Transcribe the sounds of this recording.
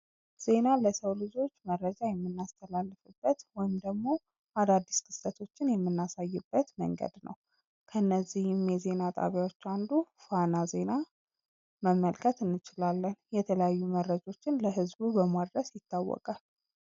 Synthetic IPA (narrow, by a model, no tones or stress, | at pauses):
z̥e̞naləsəwlɨd͡ʒo̞t͡ʃːməɾːəd͡ʒajɛmːɨnːast̪ʰəlalːɨfɨbːət̪wɔjɪmd̪əɡmo̞ | ʔad̪ad̪ːiskʰɨ̥sət̪ʰo̞t͡ʃːɪnjɛmːɨnːasajːɪbːət̪mə̰ŋɡə̰d̪nə̰w | kʰənːəzːihɪmjɛze̞nat̪ʼa̰βjawot͡ʃːand̪ufanaze̞na | məmːəlkʰət̪ɨnːɨt͡ʃɪlalːənjɛt̪ʰələjajːuməɾːəd͡ʒo̞t͡ʃːɪnləɦɨzbubəmad̪ɾəsjɪt̪ːawːɔ̰kʼal